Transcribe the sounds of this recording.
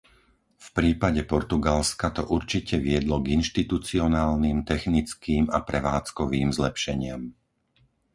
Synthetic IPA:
fpɾiːpaɟɛpɔɾt̪uɡalskat̪ɔʔuɾt͡ʃicɛʋɪɛd̪lɔɡinʃt̪it̪ut͡siɔnaːlnimt̪ɛxnit͡skiːmapɾɛʋaːt͡skɔʋiːmzlɛpʃɛɲɪam

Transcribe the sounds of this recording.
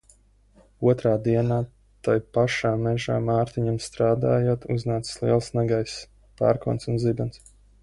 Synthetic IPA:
uɔt̪ɾaːd̪iɛnaː | t̪ajpaʃaːmɛʒa̰ːmaːɾt̪iɲamst̪ɾaːd̪aːjoɔt̪uznaːt̪sslˠiɛlˠsnɛɡajs | pa̰ːɾkṵɔnsunzibans

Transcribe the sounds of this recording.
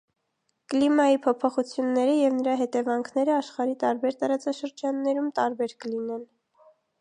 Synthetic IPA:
kəlimɑjipʰɔpʰɔχut͡sʰjunːɛɾəjɛvnəɾɑɦɛt̪ɛvɑŋkʰn̪ɛɾəɑʃχɑɾit̪ɑɾbɛɾt̪ɑɾɑt͡sɑʃəɾd͡ʒɑnːɛɾumt̪ɑɾbɛɾkəlinɛn

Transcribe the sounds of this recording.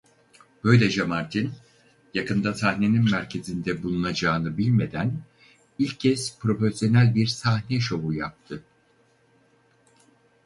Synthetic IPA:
b̥ø̞jlʲɛd͡ʒamaɾt̪ʰin | jakʰɯnd̪asahne̞ninmæɾcʰe̞zind̪ɛbulˠunad͡ʒaːnɯbilʲme̞d̪æn | ilʲcʰːɛz̥pʰɾo̞fesjo̞nælʲbiɾsahnɛʃo̞ujap̚t̪ʰɯ

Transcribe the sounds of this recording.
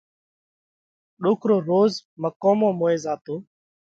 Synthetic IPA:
ɗoːkʰɾoːɾoːzməkoːmõːmoːeːzaːt̪oː

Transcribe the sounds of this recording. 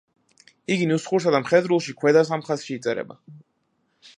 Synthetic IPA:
iɡinusχuɾs̬ad̪amχɛd̪ɾulˠʃikʰwɛd̪asamχasʃiːt̪sʼɛɾɛ̰ba̰

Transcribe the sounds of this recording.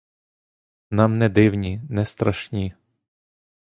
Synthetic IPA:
nɑmnɛd̪ɪwnʲinɛst̪ɾɐʃnʲi

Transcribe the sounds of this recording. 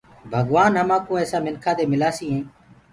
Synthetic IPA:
bʱəɡʋaːnɦəmãːkõːɛːsaːmɪnkʰaːd̪eːmɪlaːsiːɦẽː

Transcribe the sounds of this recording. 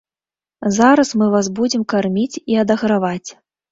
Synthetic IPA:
zaɾɐsmɨvasbud͡zʲɛmkarmʲit͡sʲiɐd̪ɐɣɾavat͡sʲ

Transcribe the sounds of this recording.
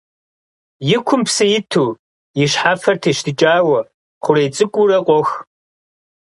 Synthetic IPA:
jɪkʷʰʊmpsɨjɪtʰuː | jɪɕħaːfɐrtʰeːʃtʰɨt͡ʃʼaːwɐ | χʷʊɾeːt͡sʼɨkʷʼʊɾɐqʷʼɔx

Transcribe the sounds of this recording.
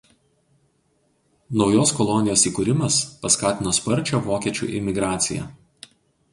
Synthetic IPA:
nɒʊjoːskɔlˠɔnʲɪjoːsiːkuɾʲɪmɐspɐskɑːt̪ʲɪnoːspɐɾʲt͡ʃʲoʋoːkʲiɛt͡ʃʲṵːʔɪ̰mʲɪɡɾɑːt̪sʲɪ̰jɛ̰

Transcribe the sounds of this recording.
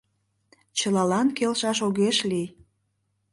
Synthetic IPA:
t͡ɕəlɑlɑnkelʃɑʃoɣeʃli

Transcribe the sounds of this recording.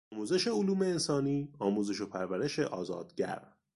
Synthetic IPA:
muːze̞ʃe̞oluːme̞ːnsɒːniːɒːmuːze̞ʃo̞pʰæɾvæɾe̞ʃe̞̰ʔɒːzɒ̰ːd̪̥ɟæ̰ɾ

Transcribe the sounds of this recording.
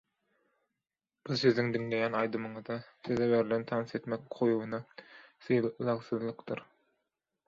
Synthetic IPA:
b̥izsiziŋd̪iŋle̞jænɑjd̪ɯmɯɴɯzd̪ɑsizɛβeɾilent̪ʰɑnse̞t̪mekqʰojuβunɑsɯjlˠɑʁsɯzlˠɯqd̪ɯɾ

